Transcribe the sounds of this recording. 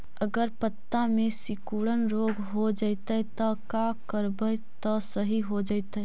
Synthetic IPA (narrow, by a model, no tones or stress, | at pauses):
əɡəɾpət̪ːamẽsɪkuːɽənɾoːɡɦod͡ʒaɪt̪ɛt̪akakəɾbəj | t̪əsəɦiɦod͡ʒaɪt̪ɛ